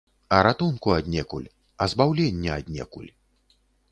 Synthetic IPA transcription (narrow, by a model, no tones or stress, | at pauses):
ɐɾat̪unkuad̪ʲnʲɛkulʲ | ɐzbawlʲɛnʲːɛad̪ʲnʲɛ̰kṵlʲ